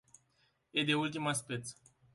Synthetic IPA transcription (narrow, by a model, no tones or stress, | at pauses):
ed̪eult̪imaspet̪s